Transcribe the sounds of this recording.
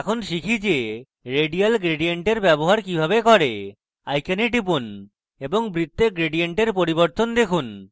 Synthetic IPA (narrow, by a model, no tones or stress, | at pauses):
ɛkʰonʃikʰid͡ʑe | ɾeɖijalɡɾeɖieɳʈeɾbɛboɦaɾkibʱaβekɔɾe | ajkaneʈip̬un | eboŋbɾit̪ːeɡɾeɖijeɳʈeɾpoɾiboɾt̪ond̪ekʰun